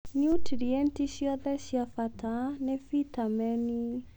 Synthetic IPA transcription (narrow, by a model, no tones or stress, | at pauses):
niutiɾiɛnt̪iʃiɔðɛʃiafat̪ʰanɛfit̪amɛni